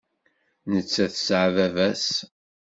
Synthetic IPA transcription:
nət͡sːæθəsʕvævæs

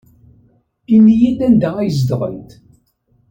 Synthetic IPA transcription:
inːijæd̪ænd̪æʁæjz̬d̪ʁə̰lt̪

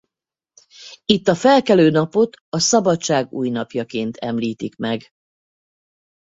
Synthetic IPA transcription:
it̪ːɒfɛlkɛløːnɒpo̞t̪ɒsɒbɒtt͡ʃaːɡṵːjnɒpjɒkeːnt̪ʰɛmliːt̪ikmɛɡ

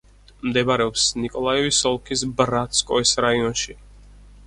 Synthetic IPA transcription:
md̪ɛbaɾɛɔpsnikʼɔlˠaɛvisɔlˠkʰisbɾat̪skʼɔisɾaiɔnʃi

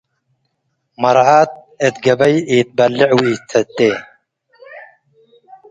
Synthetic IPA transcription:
mɐɾʕaːt̪̚ | et̪ɡɐbɐjiːt̪̚bɐlːɪʕwiːt͡s̪ʰɐt̪ːeː

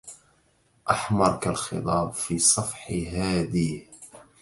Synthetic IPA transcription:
ʔaħmɑɾˤkalxɨ̰t̪ˤɑːbfiːsˤɑfħɦaːðih

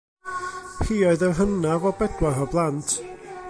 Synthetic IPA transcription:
hiːɔɨðərɦənavɔbɛdwarɔblˠantʰ

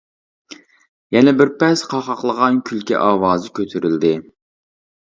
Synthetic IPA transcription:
jɛnɛbɪɾpɛsqʰɑχɑqlˠəʁɑnkʲʰylkʲɛ̰ʔɑːwɑːzɨkʲʰøt̪ʰyɾyld̪ɪ

